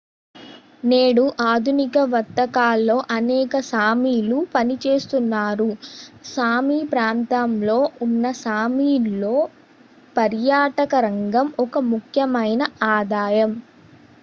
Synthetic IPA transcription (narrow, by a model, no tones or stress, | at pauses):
neːɽuʔaːd̪ʱunikɐʋɐt̪ːɐkaːlːo̞ːʔɐnɛːkɐsaːmiːlupɐnit͡ʃe̞ːst̪unːaːɾusaːmipɾaːnt̪amlo̞ːunːɐsaːmiːlːo̞ː | pɐɾjaːʈɐkɐɾɐŋɡɐmɔkɐmukʰjɐmɐjnɐaːd̪aːjɐm